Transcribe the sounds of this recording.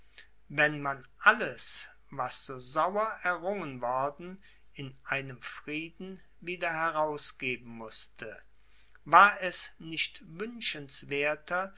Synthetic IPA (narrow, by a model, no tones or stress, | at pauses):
vɛnmanʔaləs | vasz̥oːzawɐʔɛɐʁʊŋənvɔɐdn̩ | ɪnʔaɪnəmfʁ̥iːdn̩ | viːdɐhɛʁaʊsɡ̥eːbm̩mʊstʰə | vaːɐɛsnɪʃtvʏnʃənsv̥eːɐtʰɐ